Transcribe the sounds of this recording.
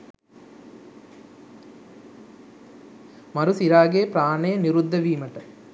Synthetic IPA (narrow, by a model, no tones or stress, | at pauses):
mɐɾusiɾaːɡeːpɾaːnɐjɐniɾud̪ʱːɐʋiːmɐʈɐ